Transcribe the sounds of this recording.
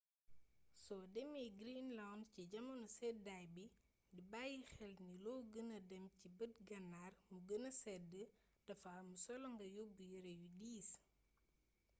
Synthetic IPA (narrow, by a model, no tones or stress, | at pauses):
sɔdɛmiɡɾinlawndciɟɐmɐnusɛdajbi | dibajixɛlnilɔɡənɐdɛmcibət̚ɡɐnːaːrmuɡənɐsɛdə | d̥ɐfaːmusɔlɔŋɡɐjobujəɾejudiːs